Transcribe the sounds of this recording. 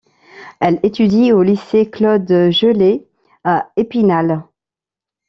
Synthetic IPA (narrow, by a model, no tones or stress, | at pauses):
ɛlet̪yd̪ioliseklɔd̪ʒəle | aepinal